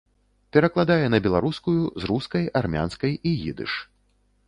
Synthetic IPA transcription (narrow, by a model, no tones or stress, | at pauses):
pʲɛɾɐklˠad̪ajɛnɐbʲɛlˠaɾuskujuzɾuskɐjarmʲa̰nskɐjiɣḭd̪ɨ̰ʂ